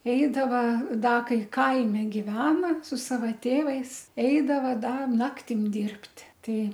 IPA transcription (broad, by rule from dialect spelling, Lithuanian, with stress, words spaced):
ˈɛɪdɐʋɐ ˈdɐ ˈkɐɪ ˈkɐɪmʲɪ ɡʲɪˈʋʲæːnɐ sʊ ˈsɑːʋɐ ˈtʲeːʋɐɪs ˈɛɪdɐʋɐ ˈdɐ ˈnɑːktʲɪm ˈdʲɪrʲpʲtʲ ˈtɐɪ